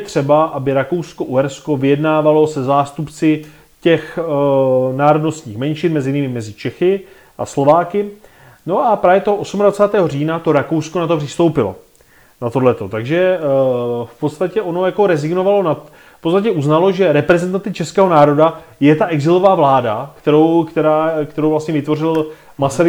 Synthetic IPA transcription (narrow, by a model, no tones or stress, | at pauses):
t̪r̝̥ɛbaʔabɪɾakowsko̞ʔuɦɛɾsko̞vɪjɛdnaːvalo̞sɛzaːst̪upt͡sɪ | cɛx | naːɾo̞dno̞st̪ɲiːxmɛnʃɪnmɛzɪjɪnɪmɪmɛzɪt͡ʃɛxɪ | ʔa̰slo̞vaːkɪ | no̞ʔapɾaːvjɛt̪oɦoʔo̞sumadvat͡saːt̪ɛːɦo̞riːnat̪o̞ɾako̞wskonat̪o̞pr̥ɪst̪o̞wpɪlo̞̰ | nat̪odlɛt̪o̞t̪aɡʒɛ | fpo̞t̪st̪acɛʔo̞no̞jako̞ɾɛzɪɡno̞valo̞nat̪ | fpott͡sst̪acɛuznalo̞ʒɛɾɛpɾɛzɛnt̪ansɪt͡ʃɛskɛːɦo̞naːɾo̞dajɛt̪aʔɛɡzɪlo̞vaːvlaːdakt̪ɛɾowkt̪ɛɾaːkt̪ɛɾowlast̪ɲɛvɪt̪vo̞rɪl | masaɾɪ